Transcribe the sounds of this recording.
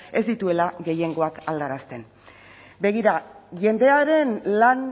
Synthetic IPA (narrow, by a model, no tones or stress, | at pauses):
e̞zd̪it̪ue̞laɡe̞je̞ŋɡo̞akald̪aɾast̪e̞n | be̞ɣiɾaʝe̞nd̪e̞aɾe̞nlan